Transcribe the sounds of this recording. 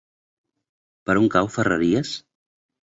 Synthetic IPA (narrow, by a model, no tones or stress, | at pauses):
pəɾuŋkawfərə̰ɾiəs